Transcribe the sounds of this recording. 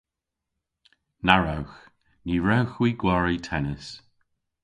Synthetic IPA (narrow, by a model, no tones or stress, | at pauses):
naɹawx | niːɹɛwxwiːɡwɔɹitʰɛnəs